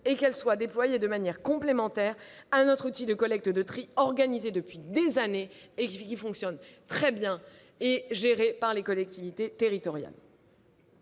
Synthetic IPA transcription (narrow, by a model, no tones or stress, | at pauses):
ekɛlswad̪eplwajed̪əmanjɛʁkɔ̃plemɑ̃t̪ɛːʁãnɔt̪χut̪id̪əkɔlɛk̚t̪əd̪ət̪χiɔʁɡanized̪əpɥid̪ezaneekʲifɔ̃ksjɔnt̪χɛbjɛ̃ | eʒeʁepaʁlekɔlɛk̚t̪ivit̪et̪eʁit̪ɔʁja̰l